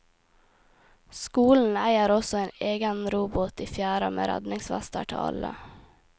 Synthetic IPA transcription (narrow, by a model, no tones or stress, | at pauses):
skuːln̩æɪəɾɔsɔeːneːɡənɾuːbʊt̪iːfjæːɾəmḛːɾæ̰d̪nɪŋsʋæst̪əʈʰɪ̰ɑ̰lə̰